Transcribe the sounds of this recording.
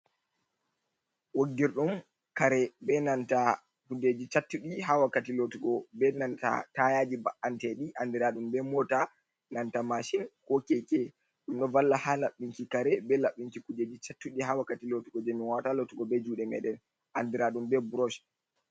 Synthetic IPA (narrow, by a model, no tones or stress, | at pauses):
woɡːiɾɗum | kaɾɛbɛnanta | kuded͡ʒit͡ʃatːuɗiɦawakːatilotuɡɔbɛnanta̰tajaːd͡ʒibaʔantɛɗiʔandiɾaɗumbɛmɔta | nantamaʃinkokɛkɛ | ɗumɗɔvalːahalaɓːiŋkikaɾɛbɛlaɓːiŋkikuded͡ʒit͡ʃatːuɗihawakːatilotuɡɔd͡ʒɛminwatalotuɡɔbɛd͡ʒuːɗɛmɛ̰ɗɛn | ʔandiɾaɗumbɛbuɾɔʃ